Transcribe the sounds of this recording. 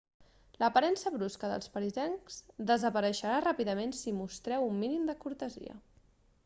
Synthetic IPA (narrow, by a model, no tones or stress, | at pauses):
ləpəɾɛnsəβɾuskəðə̰lˠspəɾizɛŋz̥d̪əzəpəɾəʃəɾarapiðəmensimust̪ɾɛwumːinimd̪əkuɾt̪əzḭə̰